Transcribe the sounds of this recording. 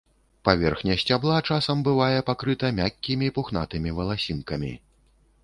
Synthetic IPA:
pavʲɛrxnʲɐsʲt͡sʲablˠat͡ʂasɐmbɨvajɛpakɾɨt̪ɐmʲakʲːimʲipuxnat̪ɨmʲivɐlˠasʲinkɐmʲḭ

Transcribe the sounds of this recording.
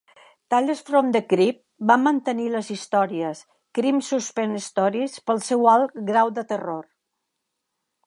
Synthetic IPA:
t̪aʎəsfɾomd̪əkɾip̚bamənt̪əniləzist̪ɔɾiəs | kɾimsuspɛnist̪ɔɾispəlˠsɛwalˠɡɾawd̪ət̪əror

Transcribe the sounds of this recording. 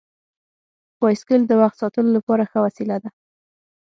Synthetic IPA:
wɑjskəld̪əwaxt̪sɑt̪əlolapɑɾaxəwasilad̪a

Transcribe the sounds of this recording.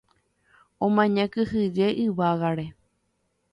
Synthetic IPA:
õmãɲãkɨhɨd͡ʒeʔɨʋaɣaɾe

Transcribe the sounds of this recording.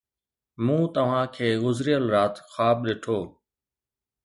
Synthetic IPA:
mũːt̪əʋ̤ãːkʰeːɣʊzɾijəlɾaːt̪xaːbɗeːʈʰoː

